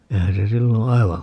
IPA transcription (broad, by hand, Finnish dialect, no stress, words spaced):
eihæn se silːõː ɑiʋɑ